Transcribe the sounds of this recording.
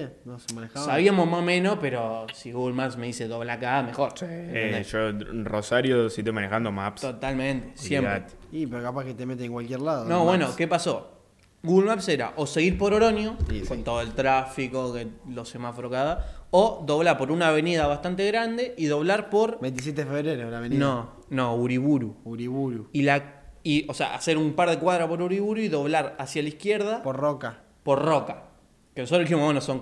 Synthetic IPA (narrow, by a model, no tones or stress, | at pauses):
senosemanexasaβiamo̞zmahmẽ̞nospe̞ɾo̞siɣuɣulmapsme̞ðise̞ðoβlakame̞xo̞ɾsieeʃorosaɾjosit̪emanexand̪oma̰pst̪ot̪almẽnt̪e̥ssjemɾat̪ipeɾokapahket̪emet̪̬eːŋkwalkjeɾlaðonoβwenokepaso̞ | ɣuɣulmapseɾa̰ʔoseɣiɾpoɾoɾo̞njokont̪oð̞oe̞lt̪ɾafiko̞kelosemasfɾokaðaoðo̞β̞laɾpo̞ɾunaːβ̞e̞nið̞aβast̪ant̪̬eɣɾand̪e̞ʔiðoβlaɾpo̞ɾbent̪is̬jet̪eðefeβɾeɾolaβenõ | nõuɾiβuɾuuɾiβuɾuilaiosea̰a̰se̞ɾumpaɾð̞ekwaðɾapo̞ɾuɾiβuɾuiðo̞βlaɾasjalaihkje̞ɾðapoɾroka | poɾroka | kenosot̪ɾoliçimowenosoŋ